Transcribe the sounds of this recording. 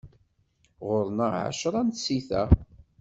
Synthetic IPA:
ʁʊɾˤnəʕa̰ʃɾˤɑnsiθæ̰

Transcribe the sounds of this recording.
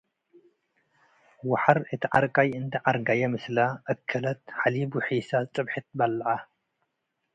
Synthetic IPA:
waħaɾɨt̪ʰiʕaɾkʼajɨnt̪ʰɐʕaɾɡajɐmɨslaʔɐkʰːɐlɐt̪̚ħalibuħisat͡sʼɨbħɨt̪̚balːɐʕa

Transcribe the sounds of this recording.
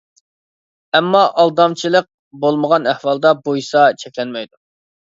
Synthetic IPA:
ɛmːɑʔɑlˠd̪ɑmt͡ʃʰilˠəq̚ | bolˠməʁɑnæhwɑlˠd̪ɑbuisɑt͡ʃʰɛkʲlɛnmɛjd̪u

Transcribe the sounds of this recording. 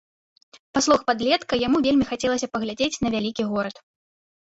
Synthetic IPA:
paslˠɔxpad̪lʲɛt̪kɐjamuvʲelʲmʲixat͡sʲɛlˠɐsʲɐpɐɣlʲad͡zʲet͡sʲn̪ɐvʲalʲikʲiɣɔɾɐt̪

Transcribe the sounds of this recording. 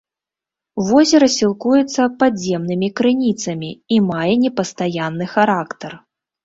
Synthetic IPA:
vɔzʲɛɾɐsʲilˠkujɛt̪sːɐpazʲɛmnɨmʲikɾɨnʲit̪sɐmʲiːmajɛnʲɛpɐst̪ajanːɨxaɾakt̪ɐr

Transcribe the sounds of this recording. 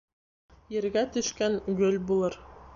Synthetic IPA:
jɘ̆ɾɡæt̪ɵ̆ʃkæŋɡɵlbulˠɤɾ

